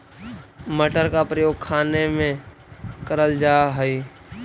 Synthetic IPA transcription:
məʈəɾkapɾəjoːɡ̚kʰaːnemẽ | kəɾəld͡ʒaːɦɛi

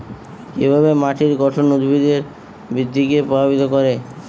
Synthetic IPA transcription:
ḛbʱabemaʈʰiɾɡɔʈʰonud̪ʱbʱid̪eɾ | bɾid̪ʱːikepɾobʱabit̪okoɾe

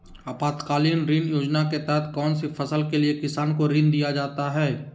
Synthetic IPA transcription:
apaːt̪kaːliːnɾiːnjoːd͡ʒnaket̪ɛɦɛt̪ʰkɔːnsifʰɐsəlkeliekɪsaːnkoɾĩnd̪ijad͡ʒaːt̪aɦɛː

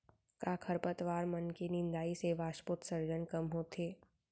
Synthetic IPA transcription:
kaːkʰəɾpət̪ʋaːɾmɐnkenɪ̃nd̪aːiseʋaːʃpʊːt̪səɾd͡ʒənkɐmɦoːt̪ʰeː

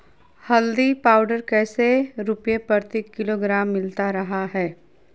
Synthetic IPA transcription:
hɐld̪ipaːʊɖəɾkɛːseɾʊpjepɐɾt̪ikːɪloːɡɾaːmːɪlt̪aɾɐɦaɦɛː

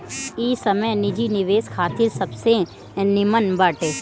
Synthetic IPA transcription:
iːsɐməjnɪd͡ʒinɪʋeːskʰaːt̪ʰɪɾsɐbsẽ | nɪmənbaːʈeː

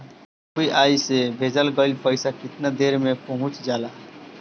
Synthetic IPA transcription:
kiʔaisebʱed͡ʒəlɡəlpəɪsakɪt̪nad̪eɾmepəɦʊ̃t͡ʃd͡ʒala

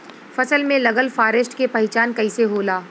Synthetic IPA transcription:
fɐsəlmẽlɐɡəlfaːɾɪsʈkepɐɪt͡ʃaːnkɐɪseɦoːlaː

